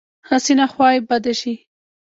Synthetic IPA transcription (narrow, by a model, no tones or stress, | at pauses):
hasinaxwɑjjbad̪aʃi